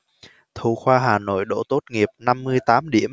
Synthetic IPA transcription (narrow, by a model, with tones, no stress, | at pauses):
t̪ʰu˨˧˩xwaː˧ɦaː˨˩no̰˧˨jɗo̰˧˥t̪o˦˥t̚ŋi˨˩əp̚na˧mːɨ˧əjt̪aː˨˦mɗḭ˧˩əm